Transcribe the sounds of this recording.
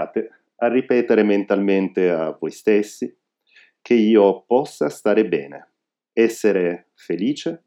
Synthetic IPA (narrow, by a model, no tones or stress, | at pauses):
aːt̪e | arːipɛːt̪eɾement̪alment̪eavɔjst̪esːi | k̟eiːopɔsːast̪aːɾebɛ̰ːnḛ | ɛsːeɾe | feliːt͡ʃe